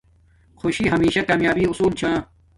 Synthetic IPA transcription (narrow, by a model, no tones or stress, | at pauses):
xoɕiɦɐmiːɕɐkaːmjaːbiʊsuːlt͡ɕʰãː